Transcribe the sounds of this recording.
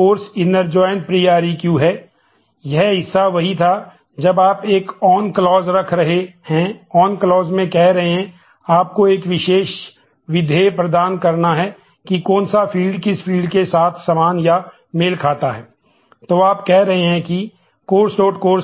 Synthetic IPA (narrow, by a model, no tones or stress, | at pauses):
oːɾsɪnəɾd͡ʒɔːjənpɾijaːɾikjuːɦɛ | jɛɦɦɪsːaʋɐɦit̪ʰa | d͡ʒɐbaːpeːkɔːnklɔːzɾɐkʰɾɐɦehɛ̃ɔːnklɔːzmẽkɛɦɾɐɦeɦɛ̃ | aːp̚koeːkʋɪʃeːʃ | ʋɪd̪ʱepɾɐd̪aːnkɐɾnaɦɛ | kikɔːnsafʰiːlɖkɪspʰiːlɖkesaːt̪ʰsɐmaːnja | mɪlkʰaːt̪aɦɛː | t̪oːaːpkɛɦɾɐɦeɦɛ̃ki | koːɾsoːʈkoːɾs